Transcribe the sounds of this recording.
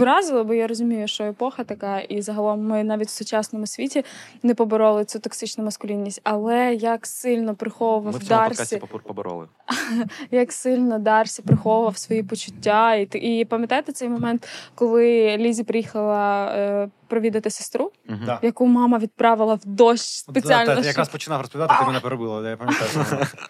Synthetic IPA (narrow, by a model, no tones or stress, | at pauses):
ʋɪɾɑzɪlˠɐbɔjaɾɔzʊmʲijʊʃt͡ʃɔepɔxɐt̪ɐkɑʔizɐɦɐlˠɔmːɪnɑʋʲitʲwsʊt͡ʃɑsnɔmʊsʲʋʲitʲinɛpɔbɪɾɔlˠɪt͡s̪ʲut̪ɔksɪt͡ʃnʊmɐskʊlʲinʲːisʲtʲɐlˠɛjɐksɪlʲnɔpɾɪxɔʋʊʋɐwd̪ɑrsʲḭ | jɐksɪlʲnɔd̪ɑrsʲipɾɪxɔʋʊʋɐwsʋɔjipɔt͡ʃʊtʲːait̪ʔipɐmjɐt̪ɑjt̪ɪt̪sɛjmɔmɛnt̪kɔlˠɪlʲizʲipɾɪjixɐlˠɐ | pɾɔʋʲid̪ɐt̪ɪsɪ̥st̪ɾujɐkumɑmɐʋʲid̪̚pɾɑʋɪlˠɐwd̪ɔʃspet͡sʲialʲnjɐkɾaspɔt͡ʃɪnɑfɾɔsp̪ʲat̪ɪk̪mnɐpɾɔbɪlˠɐjapɐmʲj